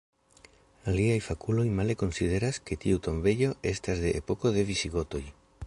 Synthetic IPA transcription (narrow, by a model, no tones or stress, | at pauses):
aliajfakulo̞jmale̞ko̞nside̞ɾaske̞tiut̪o̞mbe̞ʎo̞ʔe̞stazde̞ʔːpo̞ko̞ðe̞visiɡo̞to̞j